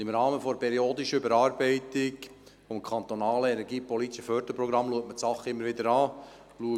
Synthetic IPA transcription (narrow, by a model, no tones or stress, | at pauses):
imɾɑːməfɔpʰɛɾioːd̪iʃəʏbəɾɑːɾbɛɪt̪ɪɡ | fɔmkʰɑnt̪ɔnɑːləɛnɛɾɡiːpɔlit̪iʃəfœɾd̪əpɾɔɡɾɑmluək̚mətsɑχːɪmːəɾʋɪd̪əɾɑː | luə